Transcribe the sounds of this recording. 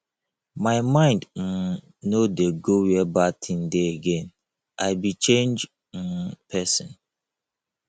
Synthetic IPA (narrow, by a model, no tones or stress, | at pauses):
maɪmãɪ̃ndn̩ | nodeɡowɛbatʰĩn̩deeɡẽn | aɪbit͡ʃẽnd͡ʒ̩ | pʰɛsɔ̃n